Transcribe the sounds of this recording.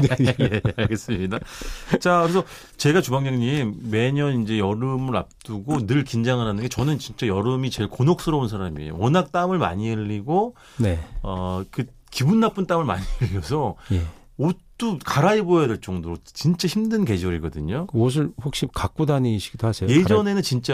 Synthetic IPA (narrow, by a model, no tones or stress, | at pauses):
jeaɭɡe̞s͈ɯmidat͡ɕakɯɾesʰʌ | t͡ɕe̞ɡat͡ɕubaŋɲaŋɲimːe̞ɲʌnind͡ʑe̞jʌɾɯmɯɾa̰p̚t͈uɡonɯɭkind͡ʑaŋɯɾɦanɯnɡet͡ɕʌnɯnt͡ɕint͡ɕ͈ajʌɾɯmit͡ɕe̞ɭkonok̚s͈ɯɾʌuns̬ʰaɾamiḛjo̰wʌnak̚t͈amɯɭma̰ɲiɯʎːiɡo | neʌkɯ | kibunːap͈unt͈amɯɭma̰ɲiɯʎːiʌsʰʌje | ot͈ukaɾaibojade̞ɭt͡ɕ͈ʌŋdoɾot͡ɕint͡ɕ͈açimdɯnke̞d͡ʑʌɾiɡʌdɯɲokos̬ʰɯɭhok̚ɕ͈ikak̚k͈odaniɕʰiɡ̥id̥ohasejoje̞d͡ʑʌne̞nɯnt͡ɕint͡ɕ͈a